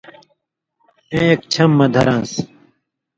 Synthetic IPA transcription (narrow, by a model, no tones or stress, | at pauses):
ẽːek̚t͡ɕʰɐmːɐd̪ʱɐɾãːns